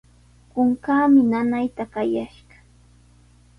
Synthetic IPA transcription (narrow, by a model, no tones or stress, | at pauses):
kʊŋkaːmɪnanajt̪akajaʃɢɑ̥